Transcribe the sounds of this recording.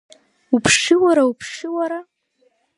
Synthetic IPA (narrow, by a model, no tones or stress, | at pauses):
upʰʂɪwaɾaupʰʂɪwaɾa